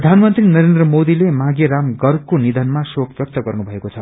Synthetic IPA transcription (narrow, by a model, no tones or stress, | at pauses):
d̪ʱanmʌnt̪rinʌɾend̪rʌmod̪ilemãɡeɾamɡʌrkonid̪ʱʌnmasokbjʌk̚t̪ʌɡʌrnubʱʌekot͡sʰʌ